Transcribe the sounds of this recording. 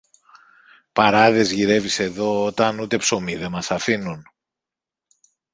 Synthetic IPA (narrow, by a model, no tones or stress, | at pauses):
pɐɾɐðe̞zʝiɾe̞vise̞ðo̞ot̪ɐnut̪e̞pso̞miðe̞mɐsɐfinun